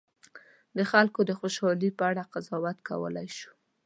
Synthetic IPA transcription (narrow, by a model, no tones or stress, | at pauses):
d̪əxalkod̪əxoʃɑlipəaɽaqazɑwat̪ka̰wə̰lajʃu̥